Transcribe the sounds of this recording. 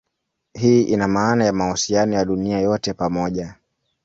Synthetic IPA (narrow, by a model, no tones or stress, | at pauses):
ɦiːʔinamaːnajamahusianɔjaɗuniajɔtɛpamɔʄa